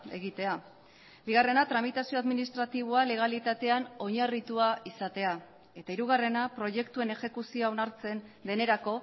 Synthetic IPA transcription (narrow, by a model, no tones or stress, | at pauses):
e̞ɣit̪e̞a | biɣare̞nat̪ɾamit̪asio̞aðminist̪ɾat̪iβ̞oale̞ɣ̞alit̪at̪e̞ano̞ɲarit̪uaisat̪e̞a | e̞t̪aiɾuɣ̞are̞napɾo̞je̞kt̪ue̞ne̞xe̞kusioaonaɾt͡se̞nd̪e̞ne̞ɾako̞